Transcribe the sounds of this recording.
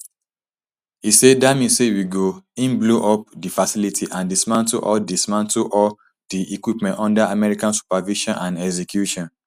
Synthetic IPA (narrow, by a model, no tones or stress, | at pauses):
hisedamĩnsewiɡoĩnbloʔɔp̚difasilitʰiʔãndismãnto̰ʔɔldismãntoʔɔ | diʔikwipmɛ̃ntɔ̃ndaamɛɹikãnsu̥paviʃɔ̃nʔãnɛɡzɛkjuʃɔ̃n